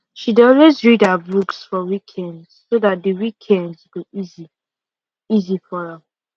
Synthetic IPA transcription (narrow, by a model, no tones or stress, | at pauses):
ʃidɔlwezɹidabuksfɔwikʰɛ̃ndz̥soðat̚dəwikʰɛ̃ndzɡoizi | izifɔɹa